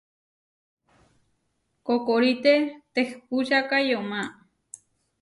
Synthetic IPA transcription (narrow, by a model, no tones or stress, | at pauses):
kokoɾit̪et̪ehpuʃakajoma